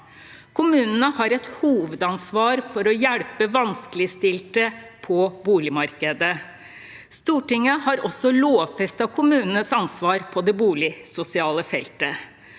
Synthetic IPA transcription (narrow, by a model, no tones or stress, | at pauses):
kʰʊmʉːnənəhɑɾɛt̪huːʋəd̪ɑnsʋɑːɾfɔɾɔjæɽpəʋɑnskəlɪst̪ɪlt̪əpʰɔbuːlɪmɑɾkəd̪ə | st̪uːʈɪŋəhɑɾɔsːɔloːʋfɛst̪ɑkʰʊmʉːnənəsɑnsʋɑːɾpʰɔd̪ɛbuːlɪsʊsɪɑːləfɛ̰lt̪ə